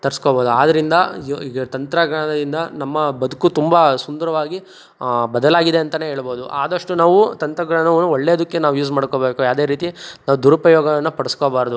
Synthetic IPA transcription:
t̪ɐɾiskoboːd̪uaːd̪ɐɾind̪ɐiɡɐt̪ɐnt̪ɾɐɡɐɳɐnɐd̪ind̪ɐnɐmːɐbɐd̪ukːut̪umbasund̪ɐɾɐʋaːɡi | bɐd̪ɐlaːɡid̪e̞ɐnt̪ɐne̞ːɦeːɭbo̞ːd̪uʔa̰ːd̪ɐʂʈunaːʋut̪ɐnt̪ɾɐɡɾɐɳnɐʋɐnːuɔɭːeɔd̪ɐkːenaːʋujuːzmaːɽkoːbeːkujaːʋd̪eːɾiːt̪inaːʋud̪uɾɐpɐjɔːɡɐʋɐnːɐpɐɽɐskoːbaːɾd̪u

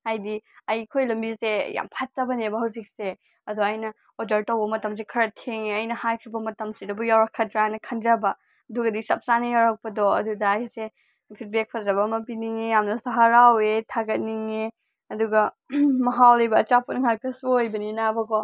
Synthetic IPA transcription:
ajdiɐjkʰojlɐmbiseja̰mpʰatːɐbɐnebɐɦɐwzik̚se | ɐdɔajnɐ | odɐɾtɐwbɐmɐtɐms̬ekʰɐɾɐtʰeŋeɐjnɐhajkʰɾibɐmɐtɐmsedɐbujawɾɐkʰːɐtɾanɐkʰɐnd͡ʒɐbɐ | ɐduɡɐdisɐp̚sanɐjawɾak̚pɐdɔɐ̰dudɐjse | pʰit̚bek̚pʰɐdɾɐbɐmɐpiniŋejamnɐsɐɦaɾawetʰaɡɐt̚niŋe | ɐduɡɐ | mɐɦawlɐjbɐːt͡ʃapunŋak̚tɐsuojbɐninabɐkɔ

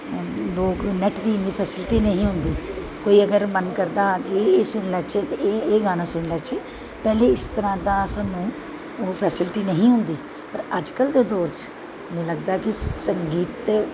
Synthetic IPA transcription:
loːknɛʈd̪iːmĩːpʰɛːsɪlʈiːnəɦĩːɦʊnd̪iː | koːiːəɡəɾmənkəɾd̪aːkeeːsʊɳlɛːt͡ʃʰet̪ːeːɡaːnãːsʊɳlɛːt͡ʃʰeː | pɛːleːɪst̪əɾãːd̪ãːəsãːnũː | oːpʰɛːsɪlʈiːnəɦĩːɦʊ̃nd̪iː | pəɾəd͡ʒkəld̪eːd̪oːɾt͡ʃ | mẽːləɡd̪aːkɪsəŋɡiːt̪

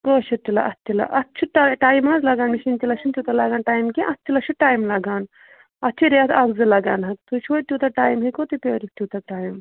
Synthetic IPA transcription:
ɡoːʃut̪ːilɐ̰ʔɐt̪ʲːilɐ̰ʔɐtːt͡ʃʰiʈaʈaːjmaːzlɐɡaːnmiʃint̪ilɐt͡ʃʰint̪ʲut̪ɐlaɡaːnʈaːjmkẽʔɐt̪ʲːilɐt͡ʃʰuʈaːjmlɐɡaːn | ɐt̪ːt͡ʃʰiɾeɐt̪ʰɐbzɨlɐɡaːnɦɐkt̪ut͡ʃʰot̪ʲuːt̪ɐʈaːjmɦikoːt̪upʲoːɾʲit̪ʲuːt̪ɐʈaːjm

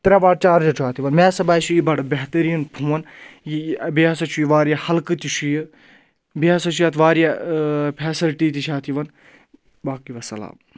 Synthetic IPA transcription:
t̪ɐɾʲaʋaːɽt͡ʃaːɾd͡ʒɐt͡ʃʰaːt̪ʰiʋɐnmeːsɐbaːit͡ʃʰujibɐɽbeɦt̪ɐɾiːnpʰuʋɐnjibijaːsɐt͡ʃʰujiʋaːɾjahɐlkɨt̪it͡ʃʰuji | bijasɐt͡ʃʰujaːt̪ʰʋaːɾjapʰɛːsɐlʈiːt̪it͡ʃʰaːt̪ʰiʋɐn | baːkiʋɐsɐ̰la̰ːb

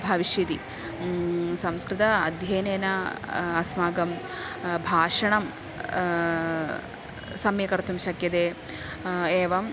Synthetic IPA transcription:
bʱɐʋiʃjit̪i | sɐmskɾɪt̪ɐɐd̪ʱjɐːneːnɐɐsmaːɡɐm | bʱaːʂɐɳɐm | sɐmjɐkɐɾt̪ʰumʃɐkjɐd̪eː | eːʋɐm

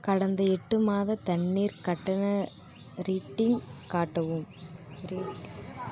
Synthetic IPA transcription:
kɐɽɐnd̪ɐɛʈːɯmaːðɐt̪ɐɳːiːɾkɐʈːɐnɐ | ɾiːʈːɪŋkaːʈːɐʋɯmɾiʈ

